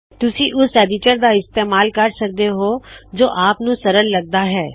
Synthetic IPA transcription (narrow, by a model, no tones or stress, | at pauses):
t̪ʊsĩʔʊsɛːɖɪʈəɾd̪aːɪst̪eːmaːlkəɾsək̚d̪eɦoːd͡ʒoːʔaːpnũsɐɾəlːəɡ̚d̪aːɦɛː